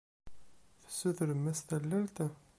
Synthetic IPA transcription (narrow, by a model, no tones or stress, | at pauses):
θə̥sːuθəɾəmːæst̪ælːælt̪æ